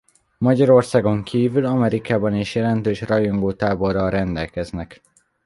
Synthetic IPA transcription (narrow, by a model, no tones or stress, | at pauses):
mɒɟɒɾo̞rsaːɡo̞ŋkʰiːvylɒmɛɾikaːbɒneːʃjɛlɛnt̪øːʃrɒjoŋɡoːt̪aːbo̞rːɒlrɛnd̪ɛlkɛznɛk